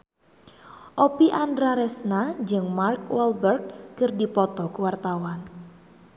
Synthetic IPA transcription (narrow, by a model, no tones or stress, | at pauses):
ʔopiʔandɾaɾɛsnad͡ʒɨŋmark̚wɛlbɛrk̚ːɨrdipɔt̪ɔkuwart̪awan